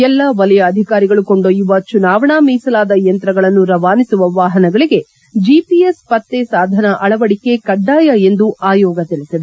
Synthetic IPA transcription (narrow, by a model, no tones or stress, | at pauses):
ɛlːɐʋɐlɐjɐːd̪ʱikaːɾiɡɐɭuko̞ɳɖojːuʋɐt͡ʃunaːʋɐɳaːmiːsɐlaːd̪ɐjɐnt̪ɾɐɡɐɭɐnːuɾɐʋaːnisuʋɐʋaːɦɐnɐɡɐɭiɡe̞ | d͡ʒipiespɐt̪ːesaːd̪ʱɐnɐʔɐɭɐʋɐɽike̞kɐɖːaːjɐe̞nd̪uʔaːjɔːɡɐt̪iɭisid̪e